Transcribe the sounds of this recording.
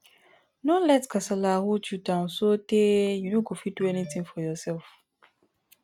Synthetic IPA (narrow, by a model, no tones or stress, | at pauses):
nɔ̃lɛtkʰasalahot͡ʃudãʊ̃nsotejunoɡofiduɛnitʰĩŋfɔjɔsɛlf